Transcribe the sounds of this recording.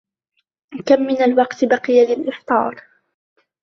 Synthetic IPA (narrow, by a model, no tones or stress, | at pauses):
kamːɪnalwɑqt̪baqɨjalɪlʔɪħt̪ˤɑːɾˤ